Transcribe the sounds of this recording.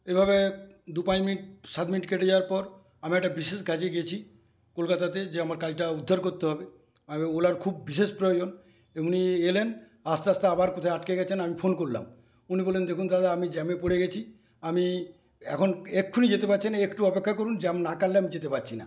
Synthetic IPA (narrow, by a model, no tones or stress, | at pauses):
ebʱaβed̪upãd͡ʑminiʈ̚sat̪̚miniʈkeʈed͡ʑaaɾpɔɾ | amiɛkʈabiʃeʃɡʱad͡ʑeɡiet͡ɕʰi | kolkat̪at̪ed͡ʑeamaɾkalʈaud̪ʱːaɾkoɾt̪eɦɔbe | eolaɾkʰubːiʃeʃpɾojod͡ʑon | eunielen | ast̪aast̪aabaɾkɔt̪ʰaaʈkeɡɛt͡ɕʰenamipʰonkoɾla̰m | unibɔlːend̪ekʰunt̪ad̪aamid͡ʑɛmepoɽeɡet͡ɕʰi | ami | ɛkʰonekʰːunid͡ʑet̪epat͡ɕʰinaekʈuɔpekʰːakoɾund͡ʑeamnakalleamid͡ʑet̪epaɾt͡ɕʰina̰